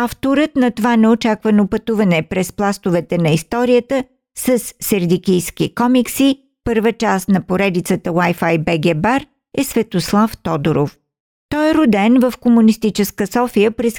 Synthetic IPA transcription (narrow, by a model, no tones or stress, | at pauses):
aft̪oɾət̪nɐt̪ovanɛot͡ʃakvənopət̪uvɐnɛpɾɛsplˠast̪ovɛt̪ɛnɐist̪ɔɾijət̪ə | səsːɛɾd̪ikijskikɔmiksi | pɤɾvət͡ʃast̪nɐpoɾɛd̪it̪sət̪əwajfajbɛɡɛbaɾ | ɛsvɛt̪oslˠaft̪ɔd̪oɾof | t̪ɔɛɾod̪ɛnvəfkomunist̪it͡ʃɛskəsɔfijəpɾɛs